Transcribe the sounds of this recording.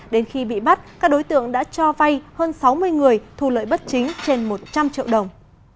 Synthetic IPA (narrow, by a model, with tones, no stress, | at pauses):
ɗe˨˦nxi˧ɓḭ˧˨ɓa˦˥t̚kaː˦˥k̚ɗo˨˦jt̪ɨ̰˧˨əŋɗa̰ː˧˥t͡ɕɔ˧va˧jhəː˧nsa˨˦wmɨ˧əjŋɨ˨˩əjt̪ʰu˧˩lə̰ː˧˨jɓə˦˥t̚t͡ɕï˨˦ŋ̟t͡ɕe˧nmo˨˩t̚t͡ɕa˧mt͡ɕḭ˧˨əwɗə˨˩wŋ͡m